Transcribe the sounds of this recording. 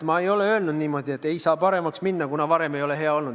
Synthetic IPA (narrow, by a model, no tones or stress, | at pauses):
mɑejo̞le̞ø̞ːlnud̪niːmo̞d̪ʲie̞t̪ːˑe̞jsɑːpɑɾe̞mɑksminːɑkunɑvɑɾe̞me̞jo̞le̞ɦe̞ɑo̞lnud̪